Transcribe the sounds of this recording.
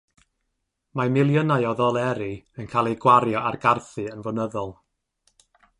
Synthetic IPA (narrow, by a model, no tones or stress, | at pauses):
mamɪlˠjənajɔðɔlˠɛɾiənkʰaːlˠejɡwaɾjɔʔarɡarθɨənvɔnəðɔlˠ